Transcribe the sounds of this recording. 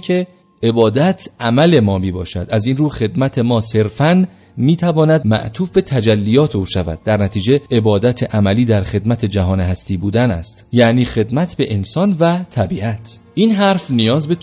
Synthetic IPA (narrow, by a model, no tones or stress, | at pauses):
kʰe̞ | e̞bɒːd̪æt̪ʰʔæmæle̞mɒːmiːbɒːʃæ̰d̪̥æziːnɾuːxe̞d̪mæt̪ʰe̞mɒːse̞ɾfæn | miːt̪ʰævɒːnæd̪mæ̰ʔt̪ʰuːfbe̞t̪ʰæd͡ʒælːijɒːt̪ʰeuːʃævæ̰d̪̚ːæɾnæt̪ʰiːd͡ʒe̞ebɒːd̪æt̪ʰeʔæmæliːd̪æɾxe̞d̪mæt̪ʰe̞d͡ʒæɦɒːneɦæst̪iːbuːd̪ænæ̰st̪jæniːxe̞d̪mæt̪ʰbe̞ʔensɒːnvæt̪ʰæbiʔæt̪ʰʔiːnɦæɾfnijɒːzbe̞